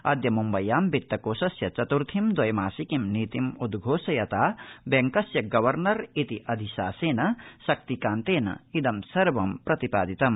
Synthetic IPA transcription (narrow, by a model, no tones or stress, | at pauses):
ɐd̪jɐmumbɐjːaːmbit̪ːɐkoːsɐsjɐt͡ʃɐt̪uɾt̪ʰimd̪ɐjmaːsikimniːt̪imud̪ɡʱoːsɐjɐt̪aːbeŋkɐsjɐɡɐʋɐɾnɐɾit̪iʔɐd̪ʱiʃa̰ːseːnɐsɐk̚t̪ikaːnt̪eːnɐ̰id̪ɐmsɐɾbɐmpɾɐt̪ipa̰ːd̪it̪ɐm